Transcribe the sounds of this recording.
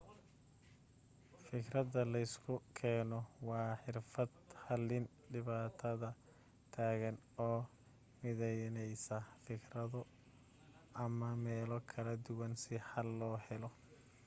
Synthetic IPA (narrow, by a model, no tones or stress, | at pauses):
fɪkrɐðɐlɐɪskʰʊkʰɛːnɔwɑːħɪrfɐd̪hɐlɪn | ɖɪβaːt̪ʰɐðɐ | t̪ʰaːɣɐn | ɔː | mɪðɛjnɛjsɐfɪkrɐðʊ | ɐmɐmɛːlɔkʰɐlɐd̪ʊwɐnsɪħɐlːɔːhɛlɔ